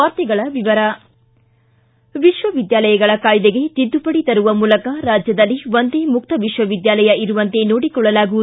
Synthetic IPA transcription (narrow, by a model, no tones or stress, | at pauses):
aːɾt̪ɛɡɐɭɐʋiʋɐɾɐ | ʋiʃʋɐʋid̪jaːlɐjɐɡɐɭɐkaːjd̪eɡe̞t̪id̪ːupɐɽit̪ɐɾuʋɐmuːlɐkɐɾaːd͡ʒjɐd̪ɐlːiʋond̪eːmuk̚t̪ɐʋiʃʋɐʋid̪jaːlɐjɐʔiɾuʋɐnt̪e̞noːɽikɔɭːɐlaːɡuʋu